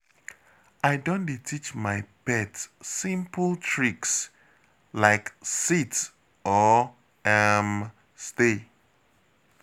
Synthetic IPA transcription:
ʔaɪdõnditʰit͡ʃmaɪpɛtsĩmpltʰɹiks | laɪksit | ɔ | ɛm | ste

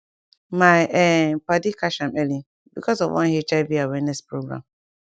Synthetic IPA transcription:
maɛpadikaʃamɛli | bikɔsɔ̰vwã̰nhet͡ʃajviawɛnɛspɾoɡɾa̰m

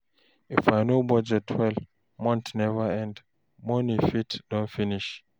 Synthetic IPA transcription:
ifajnobɔd͡ʒɛtʰwɛl | mɔ̃ntnɛvəɛ̃nd | mɔnifitdɔ̃nfiniʃ

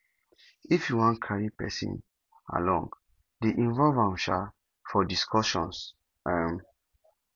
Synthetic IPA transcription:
ifjuwɔ̃nkʰaɹipɛ̰sḭ̃n | a̰lɔ̰̃ŋɡ | diʔĩnvɔlvãmʃa | fɔdiskʰɔʃɔ̰̃ns | am

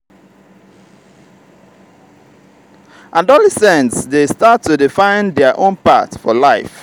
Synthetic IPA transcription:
ʔadɔlɛsɛ̃ntsdestatʰːudɪfãɪ̃ndɛəʔõnpa̰tfɔlaɪf

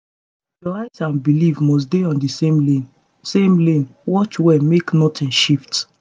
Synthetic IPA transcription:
jɔaɪtãnbilivmɔs̬deɔ̃ndisẽmlẽn | sẽmlẽnwɔt͡ʃwɛmeknɔtʰĩnʃift

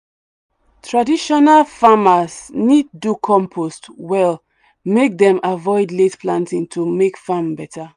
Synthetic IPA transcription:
tʰɹadiʃɔnalfamasnidːukʰɔ̃mpʰostwɛl | mek̚dɛ̃mavɔɪdletpʰlãntĩŋtʰumekfambɛtʰa

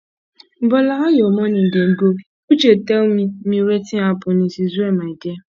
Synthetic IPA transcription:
bɔlaajomɔnin̩deɡok | ut͡ʃetemimiɾetiapʊnisizuemaide

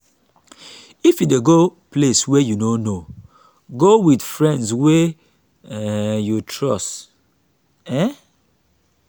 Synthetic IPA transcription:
ifjideɡopleswɛjunono | ɡowidfɹɛ̃ndswɛ | jutʰɹɔst | ɛ

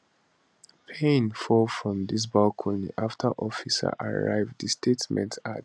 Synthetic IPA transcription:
pʰẽnfɔlfɹɔ̃mðis̬balkʰɔ̃niʔaftʰəʔɔfisə̰ʔaɹa̰ɪvdðistʰetmɛ̰̃ntʰa

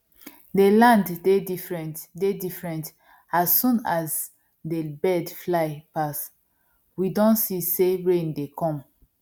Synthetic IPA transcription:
delãnddedifɹɛ̃ntdedifɹɛ̃nt | asːũnaz | debɛdflaɪpas | widɔ̃nsiseɹẽndekʰɔ̃m

